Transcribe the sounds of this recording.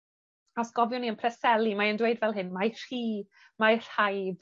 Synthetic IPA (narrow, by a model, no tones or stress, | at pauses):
ɔsɡ̥ɔvjʊniənpʰrɛsɛlˠimaəndwejdvɛlˠɦɨnmajr̥iː | majr̥hajb